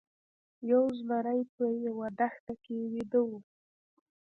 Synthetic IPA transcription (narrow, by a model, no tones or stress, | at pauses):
jawzmaɾajpəjawad̪axt̪akewid̪əwu